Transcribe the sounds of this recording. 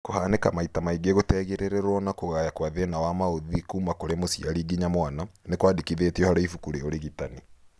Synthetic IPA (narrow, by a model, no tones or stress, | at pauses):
kohanekamaitamaiɡeɣotɛːɣeɾeɾeɾwɔnakoɣajakwaðenawamaoðikuːmakoɾemosiaɾiɡiɲamwananekwadikiðetiɔhaɾaifukuɾeoɾeɣitani